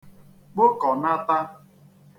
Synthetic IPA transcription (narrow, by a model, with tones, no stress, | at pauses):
k͡pʊ˦kɔ˨na˦ta˦